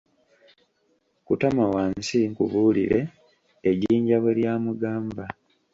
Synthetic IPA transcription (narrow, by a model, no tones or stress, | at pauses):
kutamawaːnsiŋkuβulḭɾe̞ː | ɟiːɲɟaβeljaːmuɡaːmba